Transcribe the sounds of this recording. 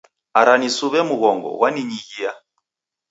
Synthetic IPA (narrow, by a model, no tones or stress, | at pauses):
aɾanisuβɛmuɣɔŋɡɔ̰waniɲiɣia